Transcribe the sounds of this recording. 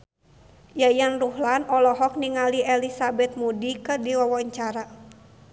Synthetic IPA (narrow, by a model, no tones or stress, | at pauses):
jajanruhlanɔlɔɦɔk̚niŋaliɛlisabɛt̪̚mudikɨrdiwawɔɲt͡ʃaɾa